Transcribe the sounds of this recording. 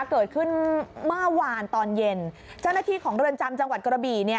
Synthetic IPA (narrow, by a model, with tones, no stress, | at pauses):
kɤː˨˩t̪̚kʰɯ˥˩nmaː˥˩waː˧nt̪ɔː˧nje˧n | t͡ɕa˥˩wna˥t̪ʰiː˥˩kʰɔː˩˦ŋɾɯ˧ənt͡ɕa˧mt͡ɕa˧ŋwa˨˩t̪̚kɾa˧biː˨˩ni˦˥˩